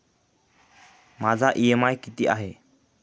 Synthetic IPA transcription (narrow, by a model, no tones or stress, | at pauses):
mad͡zaʔiɛmajkit̪iʔa̰ɦɛ